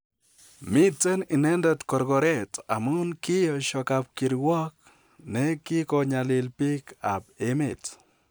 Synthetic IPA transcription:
mi˦t͡sə˦nɪ˨nɛ˦ndə˨tkɔ˨ɾɡɔ˨ɾe˦ta̰˨mu˦nki˦jɔ˨ʃɔ˨ka˨p̚ki˨ɾwɔ˦k̚ | nɛ˦ki˦kɔɲa˨lɪ˨lpi˦ka˨b̚e˦me˨t

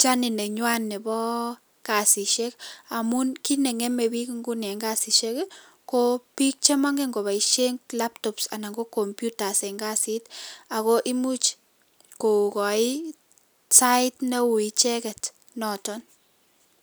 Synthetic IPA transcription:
t͡ʃa˦nɪ˨nɛ˨ɲwa˦nːɛ˨bɔ˦ | ka˨si˨ʃe˦ka˨munki˦nɛ˨ŋɛ˦me˨bi˦kŋɡu˦nɛ˨ŋɡa˦si˨ʃe˦k | ko˦pi˦k̚t͡ʃe˦ma˦ŋɡe˦ŋɡo˨βa˨i˨ʃe˦ŋla˦p̚tɔ˨psa̰˨na˨ŋɡo˦kɔ˨mpju˦ta˨sɛ˨ŋɡa˦si˦ta˨kɔ˦ʔi˦mu˦t͡ʃ | ko˨kɔ˨i˦ | sa˦ɪ˦tne˦wu˨i˨t͡ʃɛ˦kɛ˨t | nɔ˨tɔ˦n

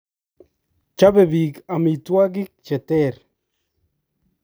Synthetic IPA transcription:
t͡ʃa˦bebi˨ka˨mi˨t̪wa˦ɡi˦k̚t͡ʃe˨t̪eɾ

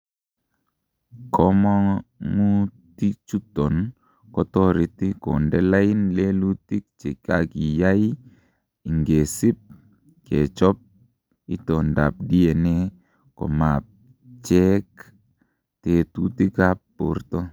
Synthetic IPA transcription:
kʰɔ˦mɔ˦ŋmu˦ti˦t͡ʃu˦tɔ˨n | kɔ˦tɔ˦ɾi˨ti˦ko̰˨ndɛ˦la˦ji˦nle˦lu˦ti˦k̚t͡ʃe˨ka˨ki˨ja˦i˦ | i˨ŋɡe˨si˦p̚ | ke˨t͡ʃɔ˦p̚ | i˦tɔ˨nda̰˨p̚di˦e˨ne˦ | kɔ̰˨ma˨p̚ | t͡ʃɛ˦k | te˨tu˦ti˦ka˦ppːo̰˨˦ɾtɔ˦

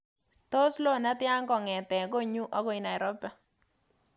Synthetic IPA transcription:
to˦slo˦˨na˦tja˦ŋɡɔ˨ŋɛ˨tɛ˨ɡo˦ɲu˦ʔɔ˦ɡɔ˦i˨na˨ɛ˨ɾɔ˦pɛ˦

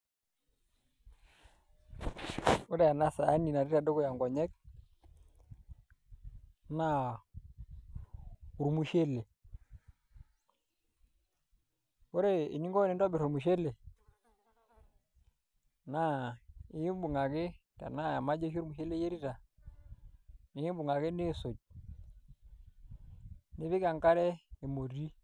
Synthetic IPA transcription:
u˦da˨ja˨na˦saː˨˦ni˨na˨ɾi˦ɾa˨do˦kɔ˦ja˨ŋɡɔ˨ɲɛ˦k̚ | na˦ | u˨ɾmu˦ʃe˦le˨ | ɔ˦ɾɛ˦ḭ˨ni˦ŋɡɔ˦i˨ndɔ˦bɛ˨ɾɔ˨mu˨ʃ̬ɛ˦lɛ˨ | na˦˨i˨ji˦m˦bu˨ŋɡa˨ke˦ | ta̰˨na˦˨ja˨ma˦d͡ʒɔ˦ʃu˦ɾmu˨ʃɛ˦lɛ˦je˦ɾi˦ta˨ | ni˨˦i˦bu˨ŋɡa˨ke˦ni˦sɔ˨d͡ʒ̚ | ni˦βi˦ka˨ŋka˦ɾɛ˦i˨mo˨ɾi˦

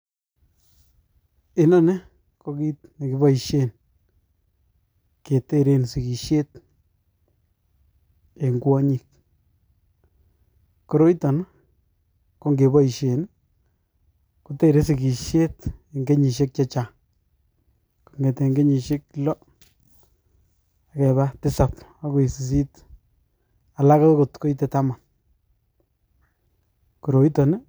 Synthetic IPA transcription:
ɪ˨na˦ne˦ | ko˧ki˦tne˨ki˨ba˦i˨ʃe˦n | ke˨te˦ɾe˦nsi˨ki˨ʃe˦t̚ | e˨ŋɡwa˦ɲi˨k̚ | ko˦ɾo˦jta˨n | ko˦ŋɡe˨ba˦i˨ʃe˨n | ku˦te˦˨ɾe˦s̬i˨ki˨ʃe˦te˨ŋɡe˦ɲi˨ʃ̬e˦k̚t͡ʃa˦t͡ʃa˨ | ko˨ŋɡɛ˨tɛ˨ŋɡe˦ɲi˨ʃe˦klɔ˦ | a˨kɛ˨βa˦tɪ˦sa˨pa˦ko˨i˨si˨s̬i˦t | a˨la˦ka˦tkʊ˨tko˦itɛ˨ta˦ma˨n | ku˨ɾo˨i˦tɔ˨n

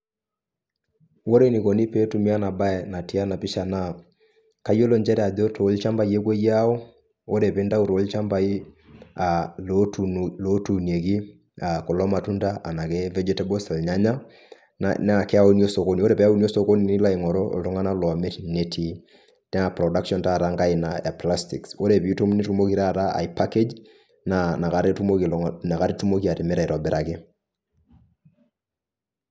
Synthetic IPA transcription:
wo˦ɾe˦˨ni˨ko˨ni˦pe˦tu˨mi˦a˦na˨ba˦ɛ˨na˨ti˦a˦na˨pɪ˦ʃa˨na˦˨ | ka˨˦jo˦lo˨ɲd͡ʒɛ˦ɾɛ˦˨a˨ðo˦tʰo˨˦lt͡ʃa˦mba˦je˦kwe˦ja˦o˦ | o˦ɾe˨pe˦nda˦u˨to˨˦lt͡ʃa˦mba˦i˦ | a˨lo˨lo˨˦tu˨ni˨e˨ki˦ | a˨ko˨lɔ˦ma˨tu˦nda˦a˨na˨ke˦vɛ˦d͡ʒɛ˦tɛ˦bo˦sɛ˨lɲa˦ɲa̰˦ | n˦˨kɛ˦a˦u˦ni˦o˦so˨ko˦ni˨o˦ɾe˨pɛ˦a˦u˦ni˦o˦so˦ko˦ni˨nɪ˦la˦i˨ŋɔ˨ɾo̰˦˨lu˦ŋa˦na˦lwɔ˨me˦tne˨tʰi˨ | nɛ˦a˨pɾɔ˨da˦kʃɔ˦nta˦˨ɾaŋɡa˦ɪ˨naja̰˨pla˦sti˨kso˦ɾeβiu˦tu˦mni˦tu˦mo˦ki˦ɾa˦˨ɾa˦a̰˨i˨pake˦d͡ʒ | na˨na˨ka˦ɾe˦tu˦mona˨ka˦ɾi˦tu˦mo˦kia˨ɾɪ˨mɛ˦ɾa˨i˨ɾɔ˨bɛ˨ɾʔa˨kɪ˦

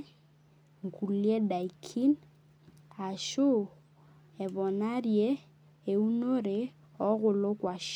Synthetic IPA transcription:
ŋku˨ljɛ˦da˨i˨kʰi˦n | a˨ʃo˦ | ɛ˨βɔ˨na˦ɾjɛ˦ | e˨u˦no˦ɾe˨ | ɔ˦ɣʊ˨lo˦kwa˨ʃ

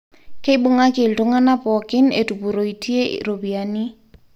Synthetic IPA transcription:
ke˦i˦bʊ˦ŋa˦kɪ˨ltʊ˦ŋa˦na˦pɔ˨kɪ˦nḛ˨tu˨pu˨ɾo˨i˨ti˦ḛ˦ɾo˨bi˨a˨ni˦

